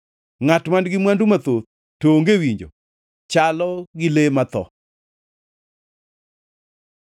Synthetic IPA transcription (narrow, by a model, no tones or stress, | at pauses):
ŋatmandɡɪmwandumat̪ot̚ | toŋɡewiɲd͡ʒo̰ | t͡ʃalɔɡɪlemat̪ɔ̰